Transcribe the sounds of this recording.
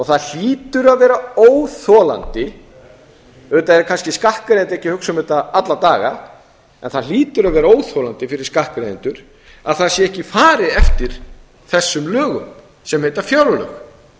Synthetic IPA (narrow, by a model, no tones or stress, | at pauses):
ɔɣθaðl̥iːt̪ʏɾaðvɛːɾaoːwθɔla̰nt̪ɪ | ʏt̪aɛɾkʰanscɪskahkɾeðɪnt̪ɛhcːɪhʏksʏmʏt̪aat̪lat̪aːɣa̰ | ɛ̰nθaðliːt̪ʏɾaðvɛːɾaoːwθɔːlant̪ɪfɪɾɪɾ̥skahkɾejðɪnt̪ʏɾ̥ | a̰ðθaðsjɛɛhcɪfaːɾɪɛft̪ɪɾ̥ | θɛsːʏmlœːɣʏm | sɛmhejt̪afjawɾlœ̰x